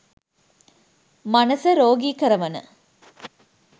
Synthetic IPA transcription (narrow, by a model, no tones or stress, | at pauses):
manəsəɾoːɡikəɾɐʋɐnə̰